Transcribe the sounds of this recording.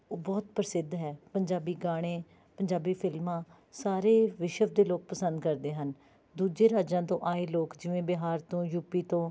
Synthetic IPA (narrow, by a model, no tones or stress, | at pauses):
oːbɔːt̪pəɾsɪd̪ʱɦɛːpəɲd͡ʒaːbiːɡaːɽ̃ẽː | pəɲd͡ʒaːbiːpʰɪlmãː | saːɾeːʋɪʃəʋd̪eːloːk̚pəsə̃nd̪kəɾd̪eːɦən | d̪uːd͡ʒeːɾaːd͡ʒãːt̪õːʔaːeːloːkd͡ʒɪʋẽːbɪɦaːɾt̪õːjuːpiːt̪õː